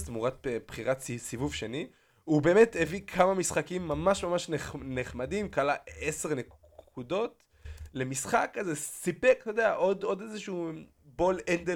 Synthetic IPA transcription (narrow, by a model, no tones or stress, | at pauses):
smuʁat̪̚pχiʁatsivuvʃeni | ube̞ːmetevikʰamamisχakimːamaʃmamaʃneχneχmadimkalaese̞ʁne | kkudo̞t | le̞misχakːazesipektod̪eaʔod̪o̞dezeʃuː | bo̞lend̪e